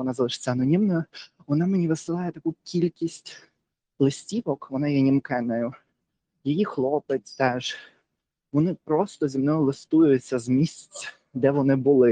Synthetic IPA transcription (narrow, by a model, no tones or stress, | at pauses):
ɔnɑzɐlˠɪʃt͡sʲanɔnʲimnɐɐ | ʋɔnɑmenʲiʋɪsɪlˠɑjɛt̪ɐkukʲʰilʲkʲisʲtʲ | lˠɪsʲtʲiʋɔkʋɔnɑjɛnʲimkɛnɐjʊ | jijixlˠɔpɪtʲt̪ɛʒ | ʋɔnɪpɾɔst̪ɔzʲimnɔjʊlˠɪst̪ujʊt͡sʲːɐzmʲisʲt͡sʲ | d̪ɛʋɔnɪbʊlˠɪ